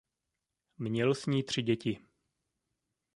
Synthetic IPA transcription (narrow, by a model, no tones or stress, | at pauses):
mɲɛlsɲiːt̪r̝̥ɪɟɛcɪ